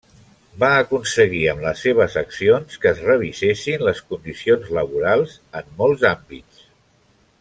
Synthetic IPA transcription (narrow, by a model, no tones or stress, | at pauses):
baəkunsəɣ̞iəmləsːeβəzəksionskəːzrəβisesinləskund̪isionzləβuɾalˠzəmːɔlˠzambḭt͡s